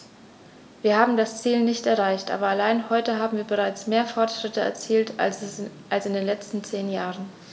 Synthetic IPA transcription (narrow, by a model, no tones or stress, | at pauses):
viːɐhaːbm̩dast͡siːlnɪçtɛɐʁaɪçtʔa̰ːbɐalaɪnhɔʏtəɦaːbm̩viːɐbəʁ̞aɪt͡smeːɐfɔɐtʃʁ̥ɪtəɛ̰ɐt͡siːlt | ʔalsɪndeːnlɛt͡stn̩t͡seːnjaːʁən